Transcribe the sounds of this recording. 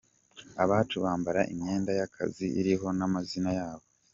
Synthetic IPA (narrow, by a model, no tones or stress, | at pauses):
aβaːtuβaːmbaɾaʔimɲe̞ːndajakʰa̰ziiɾiɦo̞namazinajaːβo̞